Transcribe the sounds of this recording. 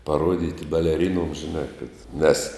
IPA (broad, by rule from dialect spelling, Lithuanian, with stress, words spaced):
pɐˈruɔdʲiːtʲɪ bʲɛlʲɛˈrʲɪnuɔms ʒʲɪˈnɑː kɐt nʲɛs